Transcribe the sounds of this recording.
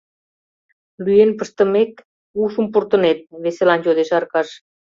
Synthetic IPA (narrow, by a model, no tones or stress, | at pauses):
lyenpəʃt̪ə̆mek | uʃumpurt̪ə̆net̪̚βeselɑnjod̪eʃɑrkɑʃ